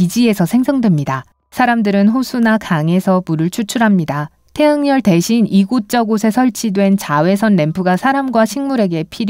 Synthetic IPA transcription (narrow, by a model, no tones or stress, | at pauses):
id͡ʑie̞sʰʌsʰe̞ŋsʰʌŋdwe̞mɲida | sʰaɾamdɯɾɯnɸosʰunakaŋe̞sʰʌmuɾɯɭt͡ɕʰut͡ɕʰuɾɦamɲida | tʰe̞ɦaŋɲʌɭte̞ɕʰiniɡot͡ɕ͈ʌɡosʰe̞sʰʌɭt͡ɕʰidwe̞nt͡ɕawe̞sʰʌnːempʰuɡasʰaɾamɡwaɕʰiŋmuɾe̞ɡe̞pʰiɾ